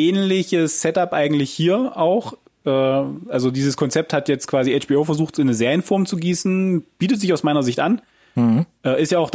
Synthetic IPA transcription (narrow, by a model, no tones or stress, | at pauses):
ʔɛːnlɪçəssɛtapʔaɪɡŋ̩tlɪçhiːɐʔaʊx | ʔɛːʔalzodiːzəskʰɔnt͡sɛp̚thatjɛt͡stkv̥aːziɛt͡ʃb̥iːoːfɛɐzuːxtɪnːəzeːʁjənfɔɐmt͡suɡiːsn̩b̥iːtətz̥ɪçaʊsmaɪnɐzɪçtʔan | ʔɛːʔɪstjaːaʊxd